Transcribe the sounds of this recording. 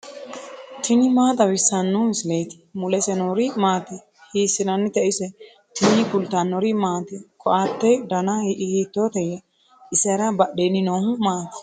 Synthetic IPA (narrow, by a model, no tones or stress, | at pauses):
t̪ʰɪnɪmaːt̪ʼɐwɪsːɐnːuɪsleːt̪ɪ̥mʊlɛsɛnoɾɪmaːt̪ɛ | hiːsːɪnɐnːɪt̪ɛʔɪsɛ | t̪ɪnɪkʊlt̪ːanːɔɾɪmaːt̪ɛkʰɔʔat̪ːɛd̪ɐnɐʔhiːt̪ːoːt̪ɛjɛ | ɪsɛɾɐbɐɗeːnɪnoːhʊmaːt̪ɪ̥